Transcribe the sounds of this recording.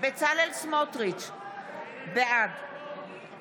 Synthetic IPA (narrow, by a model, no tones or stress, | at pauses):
bet͡salelsmot̪ʁit͡ʃ | beʔad